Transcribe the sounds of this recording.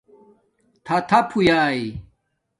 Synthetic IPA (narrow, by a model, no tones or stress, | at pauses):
t̪ʰɐt̪ʰɐpʰujaːi